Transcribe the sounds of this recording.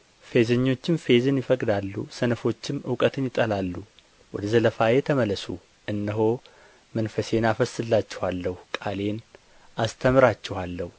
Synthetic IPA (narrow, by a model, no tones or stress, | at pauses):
fe̞zəɲːo̞t͡ʃːɪmfe̞zɨnjɪfəkʼd̪alːṵsənəfo̞t͡ʃːɪmɨwkʼət̪ʰɨnjɪt̪ʼːəlalːu | wɔd̪əzələfajet̪ʰəmələsṵ | ʔɨnːəɦo̞ | mənfəse̞nafəsːɨlːat͡ʃːɛhalːəhukʼale̞n | ast̪ʰəmɨɾat͡ʃːɛhalːəhu